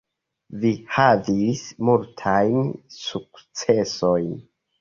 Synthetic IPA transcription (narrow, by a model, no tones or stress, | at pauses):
vihavismultʰajnsuk̚t͡se̞so̞jn